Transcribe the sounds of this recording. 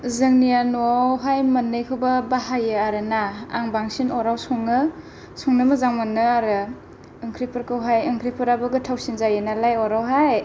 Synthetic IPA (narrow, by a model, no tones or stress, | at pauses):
zɯŋnijanuɦajmɐnːɯjkʰɯwbabahajɯaɾɯna̰ːŋbaŋsinɔɾawsɔŋnɯ | sɔŋnɯmɯzaŋmɯnːɯaɾɯ | ɯŋkʰɾipʰɯɾkʰɯwɦajɯŋkʰɾipʰɯɾabɯɡɯtʰawsinzajɯnalajɔɾawɦaj